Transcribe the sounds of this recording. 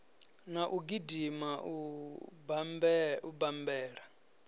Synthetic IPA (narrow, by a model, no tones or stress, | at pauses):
naʔuɡidimaʔu | bubambɛːɺa